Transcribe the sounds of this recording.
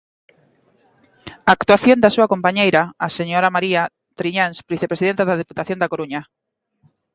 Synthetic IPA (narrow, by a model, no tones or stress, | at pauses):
aːkt̪uaθjond̪asuakompaɲejɾaaseɲoɾamaɾia | t̪ɾiɲanspβiθepɾesiðent̪aðɐð̞eput̪aθjond̪akoɾuɲa